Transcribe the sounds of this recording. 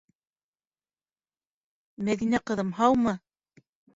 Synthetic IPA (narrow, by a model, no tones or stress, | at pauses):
mæðinæqɤ̆ðɤ̆mɦɑwmɤ